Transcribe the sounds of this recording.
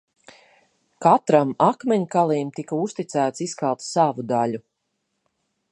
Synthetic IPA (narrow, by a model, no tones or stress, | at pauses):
kat̪ɾamakmɛɲkalˠiːmt̪ikaust̪it̪sæːt̪siskalˠt̪ssavud̪alu